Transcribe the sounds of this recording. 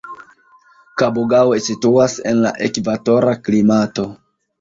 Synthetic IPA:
kaboɡawesituase̞̰nla̰ʔekvato̞ɾaklimato̞

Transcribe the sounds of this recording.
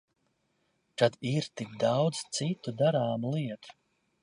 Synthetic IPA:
t̪ad̪iɾt̪ikd̪awd̪z̥t̪sit̪ud̪aɾaːmulˠiɛt̪u̥

